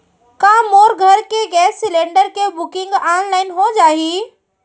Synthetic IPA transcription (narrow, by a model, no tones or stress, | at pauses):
kãːmoːɾɡʱɐɾkeːɡɛːsːɪlẽːɳɖəɾkʰeːbʊkɪ̃ŋɡaːɽ̃laːɪnɦõːd͡ʑaːɦiː